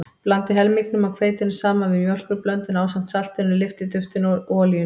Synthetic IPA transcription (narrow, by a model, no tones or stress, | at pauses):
plant̪ɪɦɛlmiknʏmawkʰveːjt̪ɪnːɪsaːmanvɪðmjɔl̥kʏɾplœnt̪ɪnaːwsan̥t̪sal̥t̪ɪlnʏlɪft̪ɪt̪ʏft̪ɪnɔlijʏ